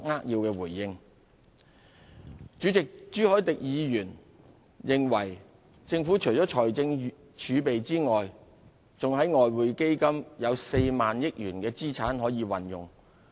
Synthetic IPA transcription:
ŋaː˥k̚jiː˧wkɛː˧wuː˨˩jːɪ˧ŋ | t͡ʃy˨˥t͡sɪ˨k̚t͡ʃyː˨˥hɔː˨˥jt̪ɪ˨k̚jiː˨˧jyː˨˩n | jɪ˨ŋwɐ˨˩j | t͡sɪ˧ŋfu˨˥t͡ʃʰɵ˨˩t͡sɔː˨˥t͡ʃʰɔː˨˩jt͡sɪ˧ŋ | t͡ʃʰyː˨˧pe˨jt͡siː˥ŋɔː˨j | t͡sʊ˨ŋɦɐ˨˥jŋɔː˨jwuː˨jke˥jkɐ˥mjɐ˨˧wse˧jmaː˨njɪ˥k̚jyː˨˩nkɛː˧t͡siː˥t͡sʰaː˨˥nɦɔː˨˥jiː˨˧wɐ˨njʊ̰˨ŋ

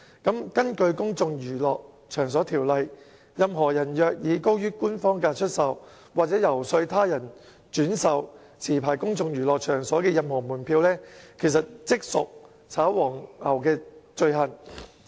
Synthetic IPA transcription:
kɐ˨˥mkɐ˥nkɵ˧ɥkʊ˥ŋt͡sʊ˧ŋjyː˨˩lɔː˨k̚ | t͡ʃʰœː˨˩ŋs̬ɔː˨˥t̪ʰiː˨˩wlɐ˨j | jɐ˨˧mɦɔː˨˩jɐ˨˩njœː˨˧k̚jiː˨˧ko˥wjyː˥kuː˥nfɔː˥ŋkaː˧t͡ʃʰɵ˥t̚sɐ˨w | waː˨k̚t͡sɛː˨˥jɐ˨˩wsɵ˧ɥt̪ʰaː˥jɐ˨˩n | t͡ʃyː˨˥nsɐ˨w | t͡sʰiː˨˩pʰaː˨˩jkʊ˥ŋt͡sʊ˧ŋjyː˨˩lɔː˨k̚t͡ʃʰœː˨˩ŋsɔː˨˥kɛː˧jɐ˨mhɔː˨˩muː˨˩npʰiː˧wlɛː˥kʰe˨˩js̬ɐ˨t̚t͡sɪ˥k̚sʊ̰˨k̚ | t͡sʰaː˨˥wwɔː˨˩ŋɐ˨˩wkɛː˧t͡ʃɵ˧ɥɦɐ˨˩n

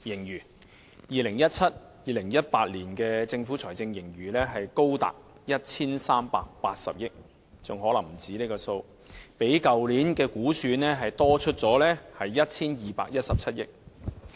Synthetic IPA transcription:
jɪ˨˩ŋjyː˨˩ | jiː˨˩lɪ˨˩ŋjɐ˥t̚t͡sʰɐ˥t̚ | jiː˨lɪ˨˩ŋjɐ˥t̚paː˧t̚liː˨˩nkɛː˧t͡sɪ˧ŋfu˨˥t͡sʰɔː˨˩jt͡sɪ˧ŋjɪ˨˩ŋjyː˨˩lɛː˥ɦɐ˨jko˥wt̪a̰ː˨k̚ | jɐ˥t̚t͡sʰiː˥nsaː˥mpa̰ː˨k̚paː˧t̚sɐ̰˨p̚jɪ˥k̚ | t͡sʊ˨ŋɦɔː˨˥lɐ˨˩ŋm̩˨˩t͡siː˨˥ne˥kɔː˧so˧w | pe˨˥jkɐ˨wliː˨˥nkɛː˧kuː˨˥syː˨˧nnɛː˥ɦɐ˨jt̪ɔː˥t͡ʃʰɵ˥t̚t͡sɔː˨˥lɛː˥hɐ˨jːɐ˥t̚t͡sʰiː˥njiː˨˩paː˧k̚jɐ˥t̚sɐ˨p̚t͡sʰɐ˥t̚jɪ˥k̚

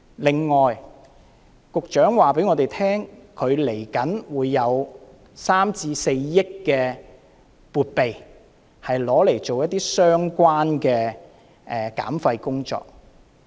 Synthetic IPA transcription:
lɪ˨ŋːɔː˨j | kʊ˨k̚t͡ʃœː˨˥ŋwaː˨˩pe˨˥jŋɔː˨˧t̪e˨jt̪ʰɛː˥ŋkʰɵ˨˧ɥle˨˩jkɐ˨˥nwuː˨˧jːɐ˨˧w | saː˥mt͡siː˧se˧jːɪ˥k̚kɛː˧ | puː˨t̚pe˨j | hɐ˨jlɔː˨˥le˨˩jt͡so˨wjɐ˥t̚t̪iː˥sœː˥ŋkʷwaː˥nkɛː˧ | ʔɛ˨ka̰ː˨˥mfɐ˧jkʊ˥ŋt͡ʃɔ̰ː˨k̚

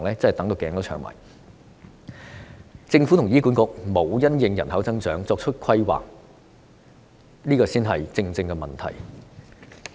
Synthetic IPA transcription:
ŋlɛː˥t͡sɐ˥hɐ˨˩jt̪ɐ˨˥ŋt̪o˧wkɛː˨˧˥ŋt̪ːt͡ʃʰœː˨˩ŋma̰ː˨˩j | t͡sɪ˧ŋfuː˨˥t̪ʰʊ˨˩ŋjiː˥ku˨˥nkʊ˨˧k̚mo˨˧wjɐ˥njɪ˨˧ŋjɐ˨˩nhɐ˨˥wt͡sɐ˥ŋt͡ʃœː˨˥ŋt͡sɔː˧k̚t͡ʃʰɵ˥t̚kʰɐ˥jwa̰ː˨k̚ | liː˥kɔː˧siː˥nɦɐ˨jt͡sɪ˧ŋt͡sɪ˧ŋkɛ˧mɐ̰˨˩nt̪ʰɐ̰˨˩j

